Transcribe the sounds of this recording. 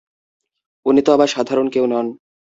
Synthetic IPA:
onːit̪oabaʃad̪ʱaɾonkewnɔn

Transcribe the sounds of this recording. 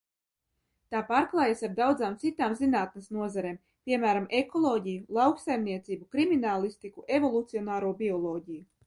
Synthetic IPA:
t̪aːpaːɾklˠajasaɾd̪awd̪zaːmt̪sit̪aːmzinaːt̪̚nesnuɔzaɾeːm | pʲiɛmæːɾamʔekɔlˠɔːɟijulˠawksajmnʲiɛt̪siːbukɾiminaːlˠist̪ikuʔevɔlˠut̪siɔnaːɾuɔbʲiɔlˠɔːɟʲiju

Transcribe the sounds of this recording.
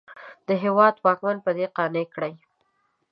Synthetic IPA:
d̪̥əɦewɑd̪wɑkmanpəd̪eqɑnekɽəj

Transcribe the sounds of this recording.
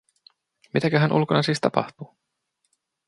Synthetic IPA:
mit̪ækæɦænʔṵlkonɑsiːst̪ɑpɑ̰ht̪uː

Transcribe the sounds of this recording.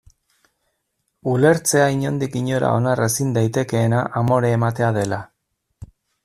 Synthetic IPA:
ule̞ɾt͡se̞aiɲo̞nd̪ikiɲo̞ɾa̰o̞nare̞sind̪ajt̪e̞ke̞ːnaʔamo̞ɾeːmat̪e̞aðe̞la

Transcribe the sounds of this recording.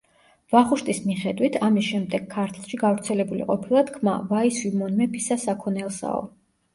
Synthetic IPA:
vaχuʃt̪ʼismiχɛd̪wit̪ʰamisʃɛmd̪ɛɡ̥ʰkʰːaɾt̪ʰlˠʃiɡavɾt̪sʰɛlɛbulḭqʼɔpʰilˠat̪ʰkʰma̰vaisimɔnmɛpʰisasakʰɔnɛlˠsa̰ɔ̰

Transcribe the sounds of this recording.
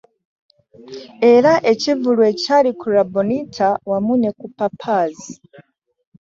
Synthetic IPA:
e̞ɾaʔe̞civulwecaɾikʰuɾabonitʰawamunekupapʰazi

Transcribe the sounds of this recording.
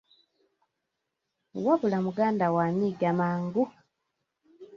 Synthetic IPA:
waβulamuɡaːndawaːniɡamaːŋɡu

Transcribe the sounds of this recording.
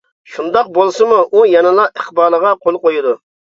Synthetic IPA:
ʃund̪ɑq̚bolˠsɨmuʔujɑnɨlˠɑʔəχbɑːlˠəʁɑqʰolˠqojud̪u

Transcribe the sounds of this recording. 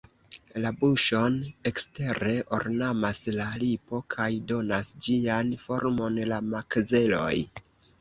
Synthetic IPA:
labuʃo̞ne̞kste̞ɾe̞ʔo̰ɾnamaslalipo̞kʰajdo̞nasd͡ʒianfo̞ɾmo̞nlamakze̞lo̞̰j

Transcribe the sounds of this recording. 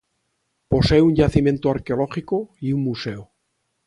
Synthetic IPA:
po̞seuɲʎaθimjẽ̞nt̪oaɾkeoloχikoiuŋmuseo

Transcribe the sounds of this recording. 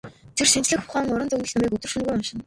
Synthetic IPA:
t̪ʰerʃint͡ɕɮɘ̆xʊχæːŋʊɾə̆nt͡sɵɣɘːɮt̪ʊmiːkɵt̪ɵ̆rʃunɡujɔnʃɪ̆n

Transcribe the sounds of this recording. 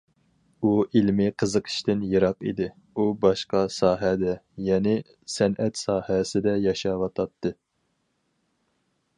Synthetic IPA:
uʔilmɪqʰəzəqʰə̥ʃt̪ɪnjɨɾɑqḭd̪ɪ | ubɑʃqɑsɑːɦɛd̪ɛjɛnɪ | sɛnʔɛt̪sɑːhɛsɪd̪ɛjɑʃɑwɑt̪ʰɑt̪ʰːɨ

